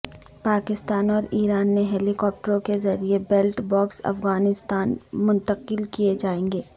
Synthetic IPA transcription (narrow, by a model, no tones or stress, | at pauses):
paːkɪst̪aːnɔːɾiːɾaːnmeɦɛːlikɔːp̚ʈəɾõkezɐɾiebelʈbɔːksɐ̰fɣaːnɪst̪aːnmʊ̃nt̪əqɪlkied͡ʒaːẽːŋɡeː